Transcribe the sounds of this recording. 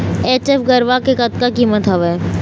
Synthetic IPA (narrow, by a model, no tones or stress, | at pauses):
eːt͡ʃefɡəɾʋakekɐt̪̚kakiːmət̪ɦɐʋɛː